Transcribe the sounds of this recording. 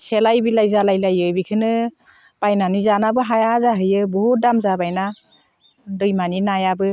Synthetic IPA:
selajbilajzalajlajɯbikʰɯnɯ | pajnanizanabɯɦajazaɦɯjɯbɔɦudamzabajna | dɯjmaninajabɯ

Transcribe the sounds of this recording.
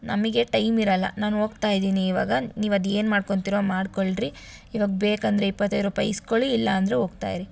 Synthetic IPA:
nɐmiɡe̞ʈɐjmiɾɐlːɐ̰naːnoːɡt̪aːjd̪iːniːʋaːɡɐniːʋɐd̪e̞ːnmaːɖko̞ɳt̪iɾomaːɖkoɭɖɾi | iʋaːɡbeːkɐnd̪ɾeipːɐt̪ːɐjd̪ɾuːpajiskoɭiːlːɐːnd̪ɐɾeɦo̞ːɡ̚t̪a̰ːjɾi

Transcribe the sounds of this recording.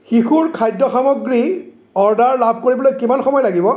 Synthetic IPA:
xixuɹkʰajdɔxamɔɡɹi | ɔɹdaɹlabʱkoɹibɔlojkimanxɔmɔjlaɡibɔ

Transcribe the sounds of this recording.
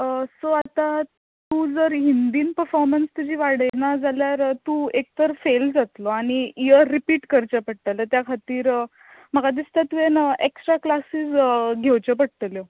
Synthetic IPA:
əsoat̪a | t̪uːd͡zəɾɦind̪iːnpəɾfɔɾmənst̪ud͡ʑiːʋaɽjnad͡zaljaɾt̪uek̚t̪əɾfeld͡zat̪loaɽ̃iijəːipiːʈkəɾt͡ɕəpəɽ̚t̪əljət̪jakʰat̪iːɾ | m̤əɡad̪ist̪at̪uenəeksʈɾaklasiːsɡʱewt͡ɕəp̬əɽ̚t̪əljo

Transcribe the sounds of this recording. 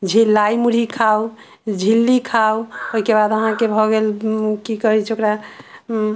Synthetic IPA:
d͡ʒʱilːajmuɽ̤ikʰaw | d͡ʒʱilːikʰawoikebad̪əɦãkebʱɔɡelkikʌɾɛt͡ʃʰokɾa

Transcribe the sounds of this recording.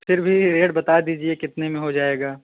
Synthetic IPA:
fʰɪɾbʱiɾeːʈbɐt̪ad̪iːd͡ʒiekɪt̪nemẽɦod͡ʒaːeːɡaː

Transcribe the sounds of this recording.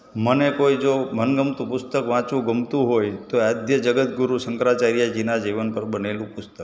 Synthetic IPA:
mənekoid͡ʒomʱənɡəmt̪ũpʊst̪əkʋãt͡ʃũɡəmt̪ũɦojt̪oad̪ʱjəd͡ʒəɡət̪ɡuɾusəŋkɾat͡ʃaɾjad͡ʒinad͡ʒiʋənpəɾbənelũpʊst̪ək

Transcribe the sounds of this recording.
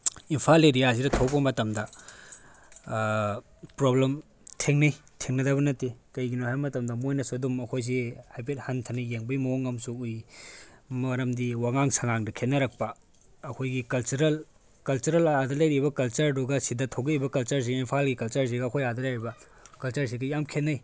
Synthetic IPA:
impʰaleɾijas̬iɾɐtʰowpɐmɐtɐmdɐ | pɾoblem | tʰeŋnɐjtʰeŋnɐdɐbɐnɐtekɐjɡinohamɐtɐmdɐmojnɐsuɐdumɐkʰojs̬ihajp̬et̚hɐntʰɐnijeŋbɐjmɐoŋːɐmsuuj | mɐɾɐmdiwaŋaŋsɐŋaŋdɐkʰenɐɾɐk̚pɐː | kʰojɡikɐlt͡ʃuɾɐl | kɐlt͡ʃuɾɐlaadɐlɐjɾibɐkɐlt͡ʃɐɾduɡɐsidɐtʰowɡɐibɐkɐlt͡ʃɐɾs̬iɡimpʰalɡikɐlt͡ʃɐɾs̬iɡɐɐkʰojadɐlajɾibɐ | kɐlt͡ʃɐɾs̬iɡɐjamkʰenːɐj

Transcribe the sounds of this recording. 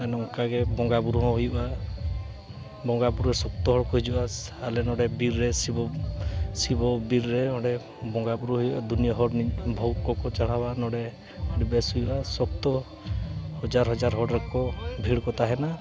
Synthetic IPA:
ɛnɔŋkaɡɛbɔŋɡabuɾɔɔɦujuʔa | bɔŋɡabuɾɾɛsɔk̚t̪ɔɦɔɽkɔɦid͡ʒɔbaalɛnɔɽɛbiɾːɛsibɔ | sibɔbiɾːɛɔɽɛ | bɔŋɡabuɾɔɦujuʔad̪unijɔɦɔɽnibʱɔwkɔkɔt͡ʃaɽ̤abanɔɽɛ | ɖibɛsujuasɔkt̪ɔ | hɔd͡ʒaɾɦɔd͡ʒaɾɦɔɽɾɛkɔbʱiɽkɔt̪aɦɛna

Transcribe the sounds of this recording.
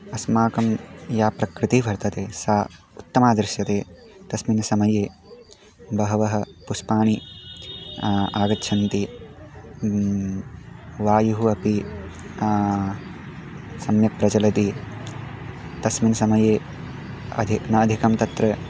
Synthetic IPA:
ɐsmaːkɐmjaːpɾɐkɾɪt̪ibʱɐɾt̪ɐt̪eːsaː | ut̪ːɐmaːd̪ɾɪʃjɐt̪eːt̪ɐsminɐsɐmɐjeː | bɐɦɐʋɐɦɐ̆puspaːɳi | aːɡɐtːʃʰɐnt̪i | ʋaːjuɦuɐpi | sɐmjɐk̚pɾɐt͡ʃɐlɐt̪i | t̪ɐsminsɐmɐjeː | ɐ̰d̪ʱinɐːd̪ʱikɐmt̪ɐt̪ɾɐ

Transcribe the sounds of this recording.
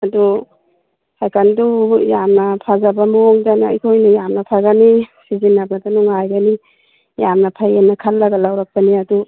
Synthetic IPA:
ɐdu | hajkʰandujamnɐpʰazabamoŋdana̰ḭkʰojnajamnɐpʰaɡanisizinːabadanuŋajɡani | jamnapʰajenːɐkʰalːɐɡalawɾak̚paniɐdu

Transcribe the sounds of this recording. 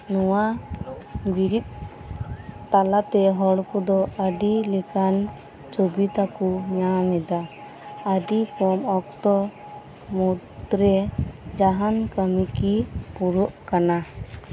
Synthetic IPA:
nɔwa | biɾit̪̚ | t̪alat̪ɛɦɔɽkɔd̪ɔəɖilɛkan | t͡ʃobit̪akuɲamɛd̪a | əɖikɔmɔkt̪ɔ | mud̪ɾɛd͡ʒaɦankəmikipuɾɔʔkana

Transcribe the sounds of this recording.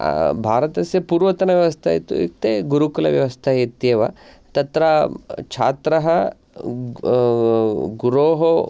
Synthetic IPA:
bʱaːɾɐt̪ɐsjɐpuːɾʋɐt̪ɐnɐʋjɐʋɐst̪ʰɐjḭt̪ːṵḭt̪eɡuɾukulɐ̰ʋjɐ̰ʋɐst̪ʰɐit̪jeːʋɐ̰ | t̪ɐt̪ɾɐt͡ʃʰa̰ːt̪ɾɐɦɐ | ɡuɾoːɦo

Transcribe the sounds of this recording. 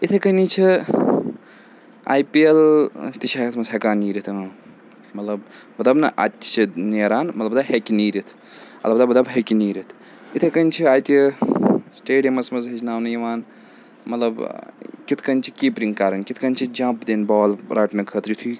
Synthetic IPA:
it̪ʰekɐnit͡ʃʰi | a̰ːjpielt̪it͡ʃʰɐkɐt̪ʰmɐzɦekaːniːɾit̪ʰ | mɐt̪lɐb | mɐt̪lɐbnɐ̰ʔa̰t̪ʲːt͡ʃʰineːɾaːnmɐt̪lɐbd̪aɦekiniːɾit̪ʰ | ɐ̰lɐbɐd̪abɐt̪d̪ɐbɦekiniːɾit̪ʰ | it̪ʰekɐnʲt͡ʃʰiaːjt̪i | sʈeːɖijɐmɐsmɐzɦɐt͡ʃʰnaːwnɐjiʋaːn | mɐt̪lɐbkit̪ʰkɐnt͡ʃʰikiːpɾiŋkaːɾɐnkit̪ʰkɐnt͡ʃʰid͡ʒãːmpd̪enbaːlɾʔaʈnɐkʰəːt̪ɾjit̪ʰu

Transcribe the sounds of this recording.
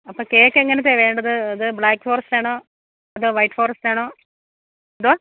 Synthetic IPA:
ɐpːoːkeːkːeŋːɐnɐt̪̬ːeʋe̞ːɳɖɐðɨɐðɨbɭaːkːfo̞ːrɐstaːɳoː | ɐðoːʋɐjʈːfoːɾɐstaːɳoː | ɐðoa

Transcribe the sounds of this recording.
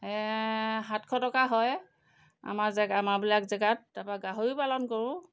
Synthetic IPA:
ɛɦatkʰɔtɔkaɦɔj | a̰mazɛɡamabilakzɛɡat̚dapaɡaɦoɹipalɔnkɔɹʊ̃

